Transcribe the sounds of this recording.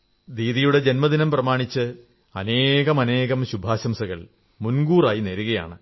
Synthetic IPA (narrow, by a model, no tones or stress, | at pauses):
d̪iːðijuɽe̞d͡ʑe̞nmɐd̪inɐmprɐmaːɳit͡ɕːɨ | ɐne̞ːɣɐmɐne̞ːɣɐmɕubʱaːɕɐmsɐɣɐɭ | munɡuːraːjineɾuɣɐja̰ːɳɨ